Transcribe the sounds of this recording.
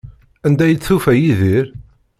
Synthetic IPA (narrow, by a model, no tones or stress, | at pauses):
ænd̪æjət͡sːθufæjiðiɾ